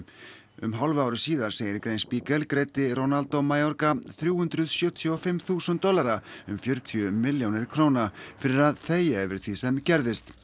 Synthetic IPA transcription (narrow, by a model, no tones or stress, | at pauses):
ʏ̰mɦalvaːwɾʏsiːðaɾ̥seːjɪɾkɾeːjnspiːkɛlkɾeːjt̪ɪronalt̪omajɔɾkaθɾjuːhʏnt̪ɾʏðsjœːt̪ʰjɔfɪmθuːsʏnt̪ːɔlaɾaʏmfjœɾt̪ʰiʏmɪljownɪɾ̥kʰɾoːwnafɪɾɪɾaðθeːjɛvɪɾ̥t̪ʰiðsɛmcɛɾðɪst̪